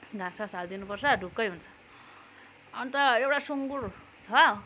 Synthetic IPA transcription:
ɡʱãsasald̪inupʌrsʰʌɖʱukːʌjɦunt͡sʰʌ̥ | ʌnit̪ʌewʈasuŋɡur | t͡sʰʌ

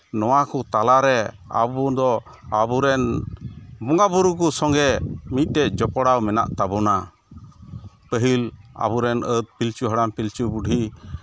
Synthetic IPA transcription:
nɔwakut̪alaɾɛ | a̰bud̪ɔ | abuɾɛn | bɔŋɡabuɾukusɔ̃ŋɡɛmit̪̚ˀt̪ɛʔ̚d͡ʒɔpɔɽawmɛna̰ʔt̪abɔna | pəɦila̰buɾɛnət̪̚pilt͡ʃuɦəɽampilt͡ʃubuɖʱi

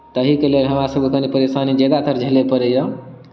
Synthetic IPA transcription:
t̪əɦikelelɦəmɾasəbkənipəɾesanid͡ʒəɡ̪at̪ʰəɾd͡ʒʱelepəɾɛjə

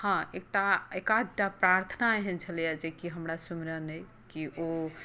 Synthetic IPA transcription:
hãek̚ʈaekad̪ʈapɾaɾt̪ʰənaeɦɛnt͡ʃʰəlijad͡ʒekiɦəmɾasumɾənəj | kio

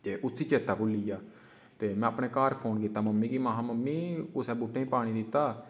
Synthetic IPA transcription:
eːʔʊsiːt͡ʃeːt̪aːkʊlːiːjaː | t̪eːmɛ̃ːəpɳẽːkaːɾpʰoːnk̬iːt̪aːməmːiːkiːmaːɦãːməmːiːʊsɛːbuːʈːẽĩːpaːɽ̃iːd̪ɪt̪aː

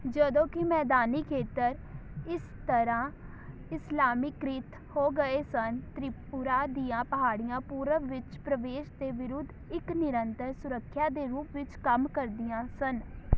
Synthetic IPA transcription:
d͡ʒəd̪õːkɪmɛːd̪aːniːkʰeːt̪əɾɪst̪əɾãː | ɪslaːmiːkɾɪt̪ | hoːɡəeːsənt̪ɾipʊɾaːd̪iːãːpəɦaːɽɪjãːpuːɾəʋɪt͡ʃpɾəʋeːʃd̪eːʋɪɾʊd̪ʱːɪknɪɾənt̪əɾsʊɾəkʰːjaːd̪eːɾuːpʋɪt͡ʃkəmkəɾd̪ɪjãːsən

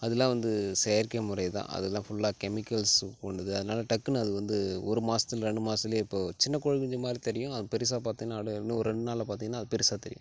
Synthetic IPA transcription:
ɐðɛlːãːʋɐnd̪ɯsɛjɐɾkɪɐmʊɾɐɪt̪ã̰ːɐ̰ðɛlːãːfʊɭːaːkɛmɪkːɐlskɔɳɖɐðɯɐðɯnaːlɐʈɐkːɯnɐðɯʋɐnd̪ɯɔɾɯmaːsɐ̥t̪ːɪlɾɛɳɖɯmaːsɐɪlejɪpːoːt͡ʃɪnːɐkɔɻɐɣɪɲd͡ʒɐmaːd̪ɾit̪ɛɾɪjʊ̃ɐðpɛɾɪsaːpaːɾt̪iŋɡɐnaːɽnːɯɔɾɯɾɛɳɖɯnaːlɐpaːɾt̪iːŋɡɐnaːɐðɯpɛɾɪsaːt̪ɛɾɪjʊ̰̃

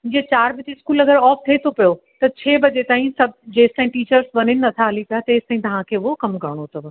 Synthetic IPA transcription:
d͡ʑiet͡ɕaːɾbɪt̪eskuːlɐɡəɾɔːft̪ʰeːt̪ʰopijo | t̪ɐt͡ɕʰeːbɐd͡ʑet̪aːɦĩsɐbd͡ʑeːst̪ãːĩʈiːt͡ɕəɾsʋɐɲɪnɪ̆nɐt̪ʰaɦɐlipijat̪ɐeːst̪aːɦĩt̪ɐʋ̤ãkʰeːʊokɐmkɐɾɽ̃ot̪ʰɐʋ

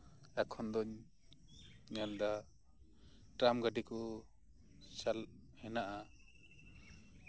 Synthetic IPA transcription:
akʰɔnd̪ɔɲ | ɲald̪a | ʈamɡaɖikɔ | sal | hɛnaʔa

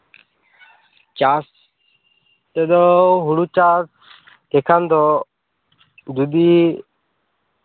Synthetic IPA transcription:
t͡ʃas | t̪ɛd̪ɔɦuɽut͡ʃaːs | ekʰand̪ɔ | d̪ud̪i

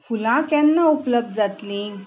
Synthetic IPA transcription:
fulãkjãnːaupləb̚d̪̚d͡zat̪lĩ

